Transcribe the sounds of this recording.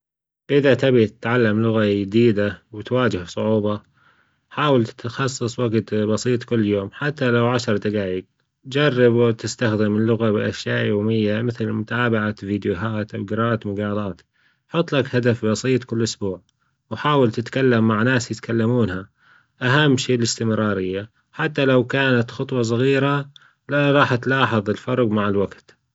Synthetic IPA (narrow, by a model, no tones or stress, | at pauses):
ʔɪðat̪abit̪ɪt̪ʕalːamlʊɣajɪd̪iːd̪awɪt̪waːd͡ʒɪhsˤʊʕuːbɑ | ħaːwalt̪xɑsˤːɨsˤwaɡt̪bɑsˤiːt̪ˤkɪlːjoːmħat̪ːalawʕaʃɑɾˤd̪aɡaːjɪɡ̚ | d͡ʒɑrˤːɪbwt̪ɪst̪axd̪ɪmɪlːʊɣabɪʔaʃjaːʔjoːmɪjːamɪθlmʊt̪aːbaʕaviːd̪jʊɦaːt̪ɡɾˤɑːt̪mʊɡɑːlˤɑːt̪ | ħʊt̪ˤːlakhad̪afbɑsˤiːt̪ˤkɪlːʔʊsbuːʕ | wħaːwalt̪ɪt̪kalːamːaʕnaːsjɪt̪kalːamuːnha | ʔaɦamːʃiːlɪst̪ɪmɾɑːɾɪjːa | ħat̪ːalawkaːnat̪xʊt̪ˤwɑs̬ˤɑɣiːɾa | laɾˤɑːħt̪lɑːħɨðˤɪlfɑɾˤɡmaʕɪlwaɡt̪